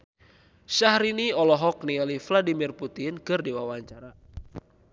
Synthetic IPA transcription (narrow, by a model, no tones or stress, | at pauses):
ʃahɾiniɔlɔɦɔk̚nilifladimirput̪ɪnkɨrdewawaɲt͡ʃaɾa